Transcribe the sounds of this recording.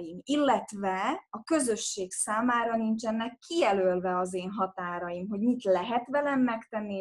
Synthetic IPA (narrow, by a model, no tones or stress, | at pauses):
jimilːɛt̪vɛɒkø̞zø̞ʃːeːksaːmaːɾɒnint͡ʃɛnːɛkːijɛlølvɛɒzeːnɦɒt̪aːɾɒjimɦo̞ɟmit̪lɛɦɛt̪ʋɛlɛmːɛkt̪ɛnːi